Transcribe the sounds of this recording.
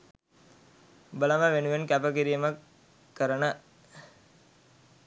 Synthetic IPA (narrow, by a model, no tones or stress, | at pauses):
bələməʋenuʋenkæpəkiɾijəməkː | əɾənə